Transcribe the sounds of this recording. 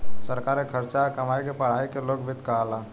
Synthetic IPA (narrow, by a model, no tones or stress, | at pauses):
səɾkaːɾekʰəɾt͡ʃakɐmaːikepɐɽ̤aːikeloːɡbʱɪt̪kalaː